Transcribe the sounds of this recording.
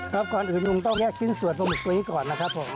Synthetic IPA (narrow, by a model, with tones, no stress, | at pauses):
ɾɔː˦˥p̚kɔː˨nʔɯː˨˩nku˧ŋt̪̬ɔ˥˩ŋkɛː˥˩k̚sʰi˥˩nsu˨˩ə˦t̪̚mɔ˧mu˨˩k̚t̪u˧t̪ʰiː˥˩kɔː˨˩nːa˦˥kʰa˦˥pʰːo˩˦m